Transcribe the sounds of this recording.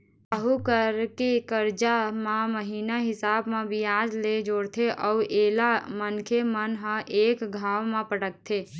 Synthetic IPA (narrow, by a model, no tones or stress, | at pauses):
əɦukəɾkekəɾd͡ʒamãməɦiːnaɦɪsaːbmẽbɪjaːd͡ʒled͡ʒoːɽt̪ʰeʔɔːʔeːlamənkʰemənɦə̃ʔeːkɡʱaːwmãpəʈək̚t̪ʰeː